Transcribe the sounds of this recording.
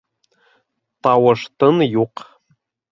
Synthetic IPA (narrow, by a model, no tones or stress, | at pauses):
t̪ɑwɤ̆ʂt̪ɤ̆njuq